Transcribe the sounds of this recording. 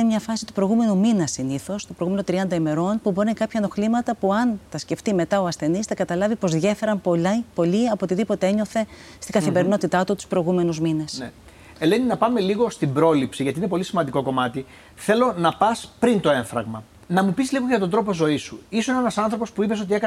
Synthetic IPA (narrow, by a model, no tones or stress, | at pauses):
nemɲɐfɐsi̥t̪upɾojɣume̞numinɐsiniθo̞st̪o̞pɾoɣume̞not̪ɾiɐnd̪ɐime̞ɾo̞npuboɾinkɐpçɐno̞xlimɐt̪ɐpuɐnt̪ɐsce̞ft̪ime̞t̪ɐo̞ɐsθe̞nist̪ɐkɐt̪ɐlɐvipo̞zðʝe̞fe̞ɾɐnpopo̞liɐpot̪iðipo̞t̪e̞eɲo̞θe̞ | st̪iɡɐθimbe̞ɾino̞t̪it̪ɐt̪ut̪u̥spɾo̞iɣume̞nuzminesne | eleninɐpɐme̞liɣo̞st̪imbɾo̞lipsiʝɐt̪ine̞po̞lisimɐnd̪iko̞ko̞mɐt̪i | θe̞lo̞nɐpɐspɾint̪o̞e̞ɱfɾɐ̰ɣmɐ | nɐmupisliɣo̞ɐt̪ond̪ɾo̞p̬ozo̞isuisoinenɐsɐnθɾo̞po̞spuipe̞sot̪iekɐ